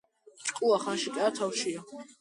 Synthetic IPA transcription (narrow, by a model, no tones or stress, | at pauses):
t͡ʃʼqʼuaχanʃikʼɛat̪ʰawʃia